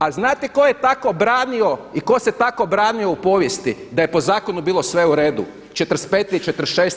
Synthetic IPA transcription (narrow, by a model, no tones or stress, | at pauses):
aznaːt̪eko̞jet̪akobɾaːnioiko̞set̪ako̞bɾaːnio̞upo̞ːʋjest̪id̪aje̞po̞zaːko̞nubiːlˠo̞sʋe̞uɾeːd̪ṵ | t͡ʃet̪ɾspeːt̪it͡ʃet̪ɾ̩ʃeːs